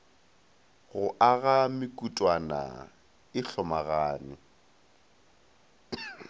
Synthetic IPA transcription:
ɣʊʔaɣamɪkʼutʼwana̰ | ɪɬɔmaɣaːnɪ

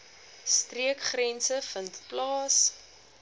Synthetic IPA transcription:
striəkχrɛnsəfəntplɑːs

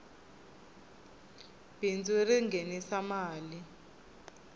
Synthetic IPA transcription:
b̥ind͡zuriŋɡʱɛnisamaːli

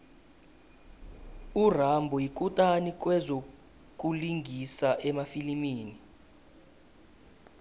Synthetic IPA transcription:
urambʱɔjikʼutʼanik̬ʼwɛzo | k̬ʼuliŋɡʱisaʔɛmafilimiːni

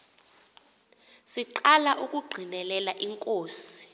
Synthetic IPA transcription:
siǃalaʔuk̬ʼuɡ͡ǃʱinɛlɛlaʔiŋkʼoːsi̥

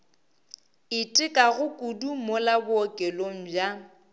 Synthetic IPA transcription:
ɪtʼɪkʼaɣʊkʼudumolabʊɔkʼɛloŋ̩bja

